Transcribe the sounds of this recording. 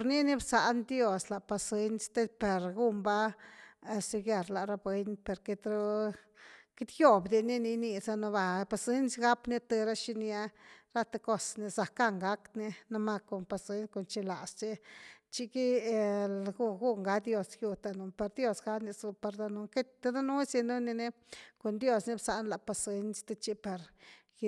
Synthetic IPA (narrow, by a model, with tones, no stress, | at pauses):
ɾni˦ni˦bsa˨ʔnd̪jo˧sla˨pa˧se˦nst̪e˦pe˨ɾɡu˦mba˦˧ | si˧ɡa˧ɾla˨ɾa˧bwe˧npe˨ɾke˧t̪ɾo˧ | ki˦t̪jo˦bd̪i˧ni˦ni˧ni˧sa˦no˧ba˧pa˨se˦nsɡa˦pni˦t̪e˧ɾa˦ʃi˦ni˧a˧ɾa˦t̪e˧ko˧sni˧sa˨ka˦˧ŋɡa˦k̪ni˧na˧ma˧ko˨npa˧se˦nsko˨nt͡ʃi˧la˨st͡ʃi˦t͡ʃi˦ki˦˧lɡu˦˧ɡu˦ŋɡa˦d̪jo˧sju˧t̪a˧nu˧pe˧ɾd̪jo˧sɡa˦ni˧su˧pe˧ɾd̪o˧nu˧˦ŋke˦t̪a˧d̪a˦nu˦si˧nu˦ni˧ne˦ | ko˨nd̪jo˧sni˦bsa˨ʔnla˨pa˧se˧nst̪e˧t͡ʃi˦pa˨ɾ